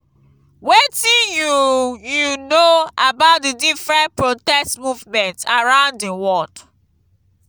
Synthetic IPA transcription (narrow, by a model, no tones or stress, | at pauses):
wetĩnjujunoabaʊt̚didifɹɛ̃npɹotɛstmuvmɛ̃ntaɹãʊ̃ndĩwɔd